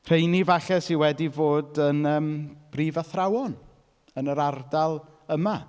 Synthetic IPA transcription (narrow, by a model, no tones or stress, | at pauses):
r̥ejnivaɬɛsiwɛdivoːdənəːmb̥riːvaθrawɔn | ənəɾardalˠ | əma